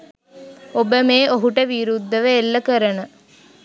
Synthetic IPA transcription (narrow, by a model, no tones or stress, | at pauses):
obəmeːʔoɦuʈəʋiɾud̪ʱːəʋəelːəkəɾənə